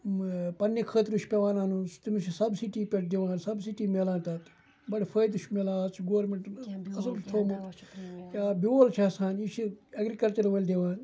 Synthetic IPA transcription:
pɐnːekʰəːt̪iɾuʃpeʋaːnaːnust̪imsisɐbsiʈiːpʲeʈ̚d̪iʋãːnsɐbsiʈiːmeːlãːnt̪ɐt̪ | bɐɽfʰɐjd̪uʃmelãːt͡sʰɡoːɾmeɳʈnɐs̬ɐlt͡ʃʰt̪ʰoːmut̪jaːbioːlt͡ʃʰaːsãːnit͡ʃʰiɐɡɾikɐlt͡ʃɐɾʋɐlʲd̪iʋãːn

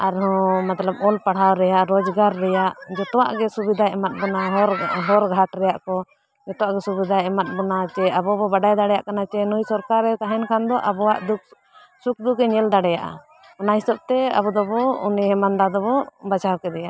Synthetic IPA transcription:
aɾɦɔ̃mat̪lab̚ɔlpaɽ̤awɾɛjaʔɾɔd͡ʒɡaɾːɛjaʔd͡ʒɔt̪ɔwaʔɡɛsubid̪ʱaɛmat̪̚bɔnaɦɔɾɦɔɾɡʱaʈɾɛjaʔkɔ | d͡ʒɔt̪ɔwaʔɡɛsubid̪ʱaɛmat̪̚bɔnat͡ʃɛabɔbɔbaɖajd̪aɽɛja̰ʔkanat͡ʃɛnujsɔɾkaɾɛt̪aɦɛnkʰand̪ɔʔabɔwaʔd̪uk̚ | suk̚d̪ukɛɲɛld̪aɽɛjaʔa̰ | ɔnaɦisab̚t̪ɛa̰bɔd̪ɔbɔṵniɦɛmand̪ad̪ɔbɔbad͡ʒawkɛd̪ɛjaʔ

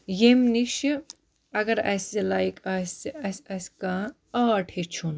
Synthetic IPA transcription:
jemniʃ | ɐɡɐɾɐ̰slajkʰɐsɐsɐskã | aːʈʰit͡ʃʰun

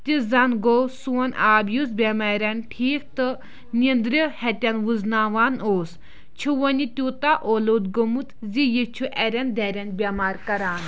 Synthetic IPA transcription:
t̪ʲizɐnɡowsuɐnaːbjusbʲemaːɾʲɐnʈʰiːkt̪ɨ | nind̪ɾihɛt̪ʲɐnʋuznaːʋaːnoːs | t͡ʃʰuʋɐnʲit̪ʲuːt̪aʔoːlod̪ɡomut̪zijit͡ʃʰuʔɛɾʲɐnd̪ɛːɾʲɐnbʲɐmaːɾkɐɾaːn

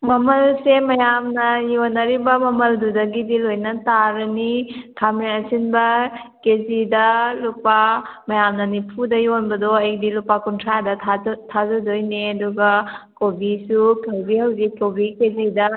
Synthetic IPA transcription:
mɐmɐlsemɐjamnɐjonɐɾibɐmɐmɐldudɐɡidilojnɐtaɾɐnitʰamiɐsinbɐkezidɐlupamɐjamnɐnipʰudɐjonbɐdoɐjdilupakuntʰɾadɐtʰatʰazudojneɐduɡɐkobisukʰalbihɐwzikːobikezidɐ

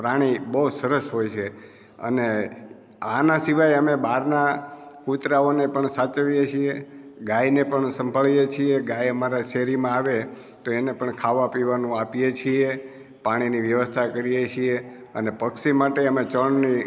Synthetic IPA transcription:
pɾaɽ̃ibəɦusəɾəsɦojt͡ʃʰe | ə̰ne | anasiʋajəmebaɾnakut̪ɾaonepəɳsat͡ʃəʋjet͡ʃʰieɡajnepəɳsəmbʱəɭijet͡ʃʰieɡajəmaɾaʃeɾimãaʋe | t̪oenepəɳkʰaʋapiʋanũapijet͡ʃʰie | paɽ̃iniʋjəʋəst̪ʰakəɾijet͡ʃʰieənepəkʃimaʈeəmet͡ʃəɳni

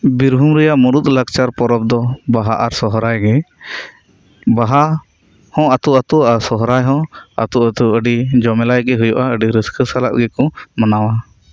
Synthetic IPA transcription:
biɾbʱumɾɛjaʔmuɾut̪̚lək̚t͡ʃaɾpɔɾɔb̚d̪ɔbaɦaʔaɾsɔɦɾajɡɛ | baɦa | hɔ̃ʔat̪uʔat̪uaɾsɔɦɾajɦɔ̃a̰t̪uʔat̪uəɖid͡ʒɔmɛlajɡɛɦujɔʔaəɖiɾiskəsala̰ʔɡɛkɔmanawa

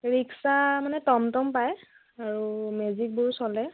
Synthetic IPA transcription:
ɹiksamanɛtɔmtɔmpaj | aɹumuzik̚buɹsɔlɛ

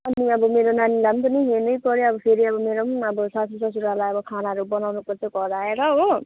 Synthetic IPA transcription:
ʌniʌbʌmeɾonanilampʌniɦenʌjpʌɾeʌbʌpʰeɾiʌbʌmeɾomʌbʌsasusʌs̬uɾalajʌbʌkʰanaɦɾubʌnawnupʌɾt͡sʌ̃kʌɾaeɾʌɦo

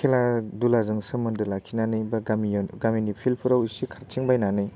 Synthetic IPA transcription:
kʰeladulazɯŋsɯmɯndɯlakʰinanɯjbamiɡaminipʰilpʰɯɾawisikʰaɾt͡ʃʰiŋbajnanɯj

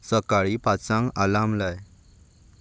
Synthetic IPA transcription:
səkaɭipat͡sãŋɡalamlaj

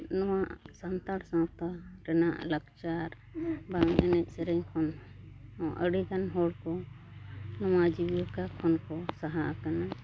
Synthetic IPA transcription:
nɔwaʔsant̪aɽsãpt̪aɾɛnaʔləkt͡ʃaɾ | baŋɛ̰nɛc̚ˀsɛɾɛɲkʰɔn | ɔ̃ʔəɽikanɦɔɽkɔ | nɔwad͡ʒibjɔkakʰɔnkɔsaɦaʔakana

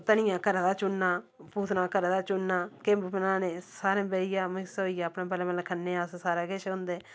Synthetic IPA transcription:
t̪ənɪjãːkəɾad̪aːt͡ʃʊnːaː | puːt̪nãːkəɾad̪aːt͡ʃʊnːaːkembmnãːnẽːsaːɾẽːbeɪjãːmɪksoːiːjaːpnaːbəleːmlkʰənːẽːaːssaːɾeːkɪʃɦʊ̃nd̪eː

